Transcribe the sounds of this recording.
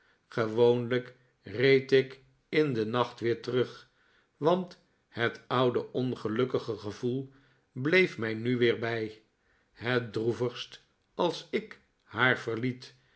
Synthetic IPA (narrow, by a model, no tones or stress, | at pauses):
χəʋownlək | rejtɪk | ɪndənɑχtʋɪːɹtərɵχ | ʋɑnt | hətʌwdəʔɔnχəlɵkəχəχəvulˠ | blejfmɛjnyʋɪːɹbɛj | ɦət̚druvəχst | ɑlˠsɪk | haːɹv̥əɹlit